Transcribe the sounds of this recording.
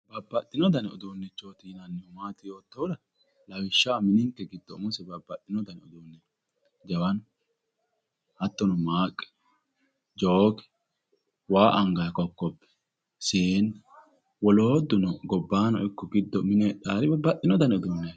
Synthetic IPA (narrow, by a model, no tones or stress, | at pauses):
bɐbːɐt̪ːɪnɔd̪ɐnɔ̰d̪unːɛt͡ʃːoːt̪iːnɐnːɪɔmaːt̪ɪjo̞ːt̪ːɐwʊd̪ɐ | lɐwɪʃːaːmɪnɪŋkːɛɡɪd̪ːɔmʊsɛbɐbːɐt̪ːɪnɔd̪ɐnɔd̪uːnːɛ | d͡ʒɐwɐn | hɐt̪ːɔnɔmaːkʼːɛ̥ | d͡ʒoːkɛ̥ | waːʔɐŋɡɐkɔkːɔbːɛ̥ | sen | wɔloːd̪ːʊnɔɡɔbːaːnɔ̰ɪkːɔɡɪd̪ːɔmɪnɛᶑaːɾɪbɐbːɐʔɪnɔd̪ɐnɔd̪ʊnːe